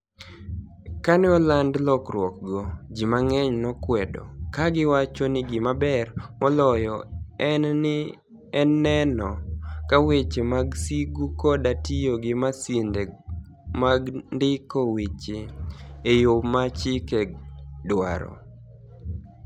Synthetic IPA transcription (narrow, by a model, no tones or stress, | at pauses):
kanɪɔlandlɔkrwɔk̚ɡɔd͡ʒimaŋɛɲnɔkwɛdɔ̰kaɡɪwat͡ʃɔnɪɡɪmabɛrmɔlɔjɔɛnɪ | ɛnːɛnɔkawet͡ʃemaɡsiɡukɔdatijoɡɪmasinde | maɡndɪkowet͡ʃeejomat͡ʃikedwa̰ɾɔ̰